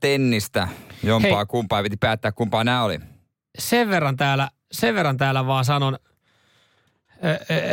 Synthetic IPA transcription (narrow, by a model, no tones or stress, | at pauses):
t̪enːist̪æjomɑːkumpɑːjɑpit̪ipæːt̪ːæːkkumpɑːnæːolḭ | seʋʋerːɑnt̪æːlæ | seʋʋerːɑnt̪æːlːæʋɑːsɑnon